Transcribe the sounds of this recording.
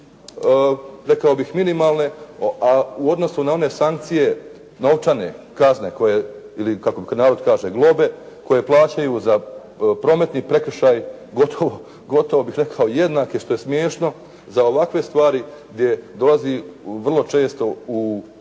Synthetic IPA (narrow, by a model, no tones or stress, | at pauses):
ɾe̞kao̞bixminimaːlˠne̞auo̞d̪no̞sunao̞ne̞saŋk̚t̪sije̞ | no̞ʋt͡ʃane̞̰ | kazne̞ko̞je | ilikakobikad̪naːɾo̞d̪kaːʒeɡlˠo̞be̞ | ko̞je̞plˠaːt͡ɕajuza | pɾo̞ːme̞t̪nipɾe̞kr̩ʃaːjɡo̞t̪ʰoʋo | ɡo̞t̪o̞ʋobixɾe̞kʰao̞jed̪naːkeʃt̪o̞jesmjeːʃno̞ | zao̞ʋakʋe̞st̪ʋaːɾiɡ̚d̪je̞d̪o̞lˠaziʋr̩lˠo̞t͡ʃe̞ːst̪o̞u